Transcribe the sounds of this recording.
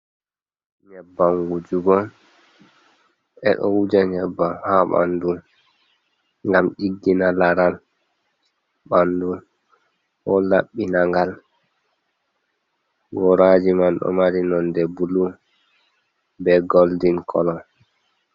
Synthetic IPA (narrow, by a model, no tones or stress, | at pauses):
ɲɛbːaŋɡud͡ʒuɡɔ | ʔɛ̰ɗɔ̰wud͡ʒaɲɛbːahaɓa̰ndun | ŋɡamɗiɡːinalaɾal | ɓandun | hɔlaɓːinaŋɡal | ɡɔɾad͡ʒimanɗɔ̰maɾinɔndɛbulu | bɛɡoldinkʰɔlɔn